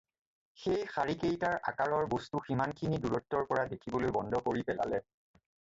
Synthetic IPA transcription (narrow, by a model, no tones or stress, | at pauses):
xejxaɹikejtaɹʔa̰kaɹɔɹbostuximankʰiniduɹɔtːɔɹpɔɹadekʰibɔlojbɔndʱɔkoɹipɛla̰lɛ